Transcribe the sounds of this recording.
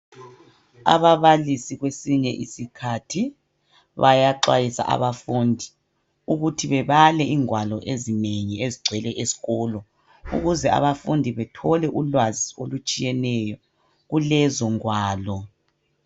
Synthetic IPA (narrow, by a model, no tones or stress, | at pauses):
a̰βaβalisiɣwesiɲɛ̰ʔḭsikʰatʰi | βajaǁwajisa̰ʔa̰βafundʱi | uɣutʰiβɛβalɛʔiːŋwalɔʔezineɲieziɡ͡ǀʱwɛlɛʔesi̥ɣɔlɔ | ṵɣuzɛa̰βafundʱiβɛtʰɔlɛʔulwazio̰lut͡ʃʼijɛnɛjɔ | ɣulɛzɔŋwaːlɔ